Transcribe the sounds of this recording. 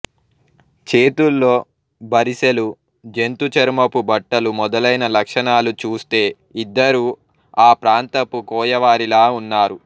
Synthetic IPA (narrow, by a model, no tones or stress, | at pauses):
t͡ʃeːt̪ulːo̞ː | bɐɾiselu | d͡ʒe̞nt̪ut͡ʃɐɾmɐpubɐʈːɐlumɔd̪ɐlɐjnɐlɐkʂɐɳaːlut͡ʃuːst̪e̞ː | id̪ːɐɾuː | aːpɾaːnt̪ɐpːukɔːjɐʋaːɾilaːunːaːɾu